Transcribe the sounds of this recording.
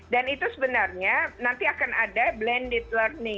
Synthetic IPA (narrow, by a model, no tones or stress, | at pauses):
danit̪usəbənarɲanant̪iakanadablɛndɛt̪̚lərnɪŋ